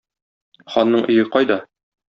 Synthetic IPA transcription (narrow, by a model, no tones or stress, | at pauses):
χɒnːɤɴʔɵ̆jɘqɒjd̪ɒ